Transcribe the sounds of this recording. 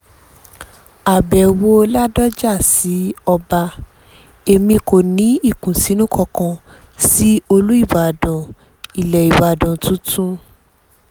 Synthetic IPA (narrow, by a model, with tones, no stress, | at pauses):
a˨bɛ˨wo˧˦la˦dɔ˦d͡ʒa˦˨si˨˦ɔ˧ba˧ | e˧mĩ˧ko˨nĩ˨˦i˦˨kũ˨si˨˦nũ˦kʰɔ˧kã˧ | si˦o˧lu˦i˦˨ba˨dã˨ | i˨lɛ˨i˨ba˨dã˨tũ˨˦tʰũ˦